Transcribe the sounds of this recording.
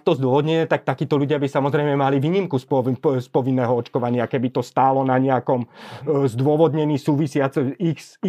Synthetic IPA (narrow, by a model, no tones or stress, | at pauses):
k̚t̪ɔzd̪ʊɔʋɔd̪ɲɛɲɛt̪ak̚t̪akiːt̪ɔluɟɪabisamɔzɾɛjmɛmaliʋiːɲimkusspɔʋinːɛːɦɔɔt͡ʃkɔʋaɲɪakɛbit̪ɔst̪aːlɔnaɲɛakɔmzd̪ʊɔʋɔd̪ɲɛniːsuːʋisɪat͡sɛixsi